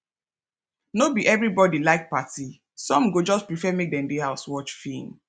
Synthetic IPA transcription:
nobiʔɛvɹibɔdilaɪk̚pati | sɔ̃mɡod͡ʒɔspɹifɛmek̚dɛ̃ndehaʊswɔt͡ʃfĩn

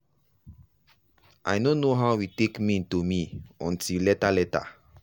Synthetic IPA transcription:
ʔa̰jnonoɦaʊwitekmĩntomiɔ̰̃ntʰilɛtalɛta̰

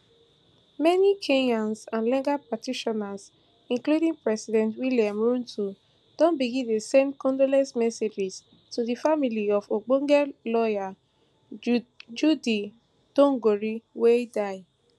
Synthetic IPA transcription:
mɛnikʰeɲãnsãnlɛ̃ɡapatiʃɔnas | ĩŋkludĩŋpɹɛsidɛ̃ntwiljãmɹũntʰu | d̥ɔ̃nbiɡĩndesemkɔ̃ndolɛsmɛsed͡ʒis | tuðifamiliɔfoɡ͡bõŋɡɛlɔja | d͡ʒudi | dõŋɡoɹiwedaɪ

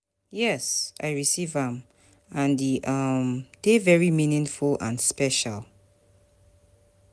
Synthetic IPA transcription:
jɛsa̰ɪɹisivə̃m | ãndiʔʌmd̥evɛɹimĩnɪ̃ŋfulã̰nspɛʃalˠ

